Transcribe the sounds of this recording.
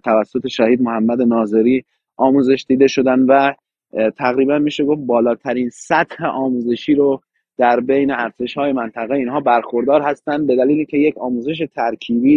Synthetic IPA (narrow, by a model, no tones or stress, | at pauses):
t̪ʰævæsːot̪ʰe̞ʃæhiːd̪mohæmːæd̪e̞nɒːze̞ɾiː | ʔɒːmuːze̞ʃd̪iːd̪e̞ʃo̞d̪ænd̪væ | t̪ʰæɣɾiːbænmiːʃe̞ɡoft̪̚bɒːlɒːt̪ʰæɾinsæt̪heʔɒːmuːze̞ʃiːɾo | d̪̥æɾbe̞jneæɾze̞ʃhɒːje̞mænt̪ʰæɣeiːnɦɒːbæɾxo̞ɾd̪ɒːɾhæst̪ænd̪̚be̞d̪æliːlicʲʰe̞je̞kʰɒːmuːze̞ʃ̬e̞t̪ʰæɾkʰiːbiː